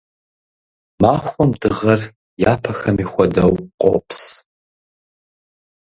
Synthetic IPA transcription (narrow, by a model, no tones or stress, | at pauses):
maːxʷɔmdɨʁɐr | jaːpʰɐxɐmiːxʷɔdɐwqʷʼo̰ps